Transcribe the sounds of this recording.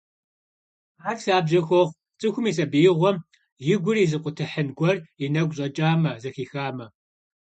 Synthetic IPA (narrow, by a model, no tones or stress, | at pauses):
aːtsaːbʑɐxʷɔʁ | t͡sʼɨxʷʊmiːs̬ɐbijɪʁʷɔm | jɪɡʷʊriːzɨqʷʼʊtʰɨħənɡʷɔrinɐɡʷɕʼɐt͡ʃʼaːmɐzɐxiːxaːmɐ